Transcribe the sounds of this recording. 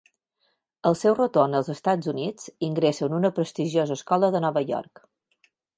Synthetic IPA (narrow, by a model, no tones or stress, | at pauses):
əlˠsɛwrət̪onəlˠzəst̪ad͡zunid͡ziŋɡɾesənunəpɾəst̪iʒiozəːskɔləðənɔβəjɔ̰rk